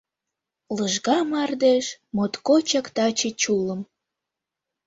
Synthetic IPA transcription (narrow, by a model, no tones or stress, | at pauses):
ləʒɣɑmɑrd̪eʃmot̪kot͡ɕɑkt̪ɑt͡ɕet͡ɕulə̆m